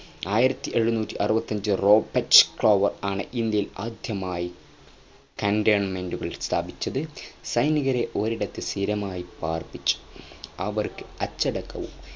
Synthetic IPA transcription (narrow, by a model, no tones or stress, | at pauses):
aːjiɾɐt̪ːiʔe̞ɻːunuːtʲːiʔɐrubɐt̪ːɐɲd͡ʑɨro̞ːbɐʈskɭoːʋɐraːɳɨʔind̪jɐjila̰ːd̪ʱjɐmaːji | kɐɳɖeːɳmenduɣɐɭist̪ʰaːbit͡ɕːɐðɨsɐjniɣɐɾe̞ʔo̞ɾiɽɐt̪ːɨsiɾɐmaːjipaːrpit͡ɕːu̥ɐʋɐrkɨɐt͡ɕːɐɽɐkːɐ̰ʋṵm